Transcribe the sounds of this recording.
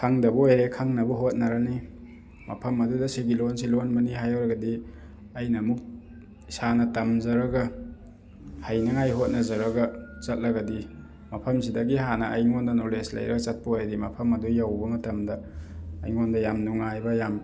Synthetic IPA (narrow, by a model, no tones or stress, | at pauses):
kʰaŋdɐbɐojɾekʰaŋnɐbuɦot̚nɐɾɐni | mɐ̰pʰɐmɐdudɐsiɡilons̬ilonmɐniɦajawɾɐɡɐdi | ɐjnɐmuk̚ | isanɐtɐmzɐɾɐɡɐ | hajnɐŋajɦot̚nɐzɐɾɐɡɐt͡ʃɐt̚lɐɡɐdi | mɐpʰɐms̬idɐɡiɦanɐʔːjŋondɐnoleslɐ̰jɾɐ̰ɡɐt͡ʃɐt̚pɐojdimɐpʰɐmɐdujawbɐmɐtɐmdɐ̰ːjŋondɐjamnuŋajbɐjam